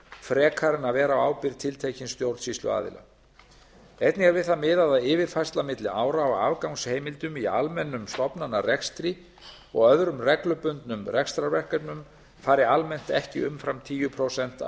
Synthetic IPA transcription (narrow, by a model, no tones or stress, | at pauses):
fɾɛːkʰaɾɪnavɛːɾawaːwpɪɾt̪ʰɪlt̪ʰejcɪnst̪jowɾt̪sislʏ̰a̰ːðɪ̰la̰ | ejt̪nɪaɾvɪðθamɪːðaðaɪːvɪɾ̥fajst̪lamɪt̪lɪaːwɾaːwa̰vkawŋsheːjmɪlt̪ʏmialmɛnːʏmst̪ɔpnanːarɛkst̪ɾi | ɔ̰ɣœðɾʏmrɛklʏpʏnt̪nʏmrɛkst̪ɾaɾvɛr̥kat̪nʏm | faːɾɪalmɛn̥t̪ɛhcɪ̰ʏmfɾamt̪ʰiːjʏpʰɾowsɛn̥t̪